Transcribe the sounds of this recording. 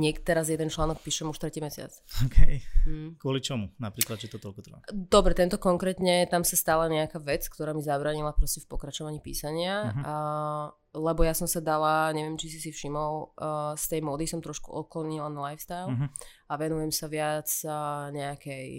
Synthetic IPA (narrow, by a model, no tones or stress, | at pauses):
ɲɛkt̪ɛɾazjɛd̪ɛnt͡ʃlaːnɔk̚piːʃɛmuʃt̪ɾɛciːmɛsɪa̰t͡sɔkʰɛj̩kʊɔlit͡ʃɔmunapɾiːklad̪t͡ʃɛt̪ɔt̪ɔlkut̪ɾba̰d̪̥ɔbɾɛt̪ɛnt̪ɔkɔŋkɾɛːt̪ɲɛt̪amsast̪aːlɛɲɛakaːʋɛt͡skt̪ɔɾaːmizabɾaːɲilapɾɔscɛfpɔkɾat͡ʃɔʋaɲiːpḭːsaɲɪa | lɛbɔjasɔmsad̪alaɲɛʋɛmt͡ʃis̬isifʃimɔlst̪ɛjmɔːd̪isɔmt̪ɾɔʃkuʔɔklɔɲilanalajfst̪ajl | aʋɛnujɛmsaʋɪat͡sːɲɛakɛj